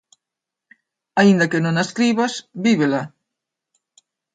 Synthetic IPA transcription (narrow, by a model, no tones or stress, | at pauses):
aind̪akenõŋaskɾiβasbiβela